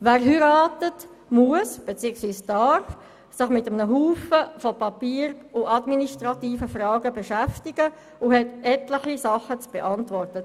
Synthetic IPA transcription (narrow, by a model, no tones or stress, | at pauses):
væːɾɦyɾaːtət | muəsb̥et͡siəksʋiːsd̥ɑɾf | sɪχmɪtəmənəɦuːfəfɔpɑpiːɾʊʔɑdministʁɑtiːfəfrɑːɡəbeʃæftɪɡə | ʊhɛtɛtləχisɑχət͡sb̥eʔɑntvɔrtə